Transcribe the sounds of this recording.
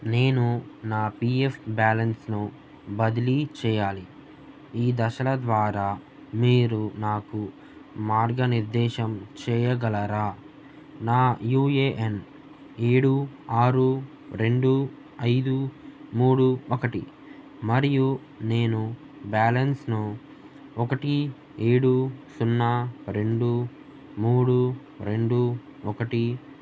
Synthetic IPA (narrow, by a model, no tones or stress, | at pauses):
ne̞ːnunaːpiepbaːlɐnsnu | bɐd̪ilit͡ʃɛːjaːli | iːd̪ɐʃɐlɐd̪ʋaːɾaː | miːɾunaːku | maːɾɡɐniɾd̪ɛːʃɐmt͡ʃɛːjɐɡɐlɐɾaː | naːjuːeːʔen | e̞ːɽuaːɾu | ɾe̞ɳɖu | ɐjd̪umuːɽuɔkɐʈḭ | mɐɾiju | ne̞ːnu | baːlɐnsnu | ɔkɐʈi | eːɽusunːaɾe̞ɳɖu | muːɽu | ɾe̞ɳɖu | ɔkɐʈi